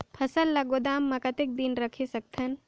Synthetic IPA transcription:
pʰɐsəlːɐɡod̪aːmːɐkɐt̪ɪk̚d̪inɾɐkʰisɐk̚t̪ʰɐn

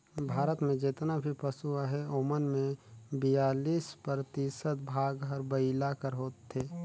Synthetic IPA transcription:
bʱaːɾət̪mẽd͡ʒet̪nabʱipəsuaɦɛoːmənmẽbijaːliːspɾəɾət̪isət̪̚bʱaːɡɦəɾbəɪlakəɾɦoːt̪ʰːeː

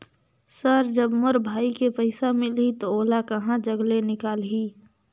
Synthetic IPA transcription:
səɾd͡ʒəbmʊɾbʱaːikepəɪsamɪlɦit̪ooːlakɐɦãd͡ʒɐɡlenɪkaːlɦiː

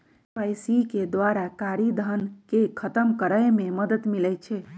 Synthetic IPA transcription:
pajsiked̪ʋaɾakaɾid̪ʱənkekʰət̪əmkəɾəjmeməd̪ət̪milət͡ʃʰɛ

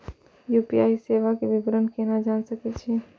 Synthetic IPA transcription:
juːpiaːiseːʋakeʋɪbɾənkenad͡ʒaːnsəkɛt͡ʃʰi

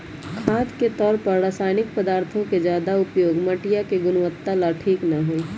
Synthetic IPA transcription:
kʰaːd̪ket̪ɔːɾpɐɾːaːsaːɪnɪk̚pəd̪aːɾt̪ʰõked͡ʒjaːd̪aʊpjoːɡməʈijakeɡʊnwət̪ːalaʈʰiːknaɦoːi

